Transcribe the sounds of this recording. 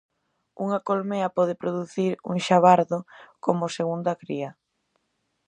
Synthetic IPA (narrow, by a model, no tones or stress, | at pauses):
uŋakolmeɐpɔð̞ɪpɾoðuθiɾṵŋʃaβaɾðokomʊseɣund̪ɐkɾiɐ